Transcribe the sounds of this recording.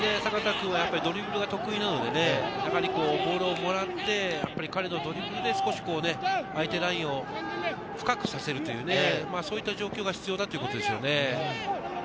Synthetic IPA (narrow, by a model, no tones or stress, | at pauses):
ne̞sakat̪akɯ̟̃ɰ̃βajapːaɾʲid̪o̞ɾʲibɯ̟ɾɯ̟ɡat̪o̞kɯ̟inano̞d̪e̞ne̞jaɦaɾʲiko̞ːbo̞ːɾoːmo̞ɾat̪ːe̞japːaɾʲikaɾe̞nod̪o̞ɾʲibɯ̟ɾɯ̟d̪e̞sɨ̥ko̞ɕi̥ko̞ːne̞ait̪e̞ɾaĩɰ̃o̞ | ɸɯ̟̥kakɯ̟̥sase̞ɾɯ̟t̪o̞jɯ̟ːnemaːsoːit̪ːaʑo̞ːkʲo̞ːɡaçi̥t͡sɨjo̞ːd̪at̪o̞jɯko̞t̪o̞d̪esɨjo̰ne̞